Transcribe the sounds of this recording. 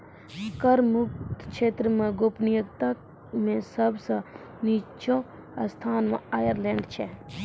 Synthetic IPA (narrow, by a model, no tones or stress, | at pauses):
kəɾmʊk̚tt̪kʃeːt̪ɾəmãɡoːpnijəkt̪ak | mẽsəbsã | niːt͡ʃõ | ɐst̪ʰaːnmã̰aːjəɾleːɳɖt͡ʃʰɛ